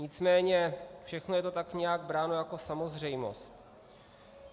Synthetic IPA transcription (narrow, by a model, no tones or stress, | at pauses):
ɲɪt͡smɛːɲɛfʃɛxnojɛt̪o̞t̪akɲɛjaɡbɾaːno̞jako̞samo̞zr̝ɛjmo̞̰st̪